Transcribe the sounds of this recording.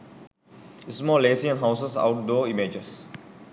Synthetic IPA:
ɪsmɔːlesiɛ̃nɦaʊsəsa̰ʊʈ̚dɔːimed͡ʒəs

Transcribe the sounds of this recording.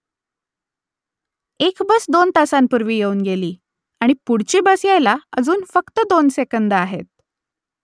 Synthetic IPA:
ekbəsd̪ont̪asampuɾʋiːjeuːnɡeliː | aɽ̃ipuɽ̤t͡ɕiːbəsjajlaəd͡zuːnfəkt̪əd̪onsekənd̪əaɦḛt̪̚

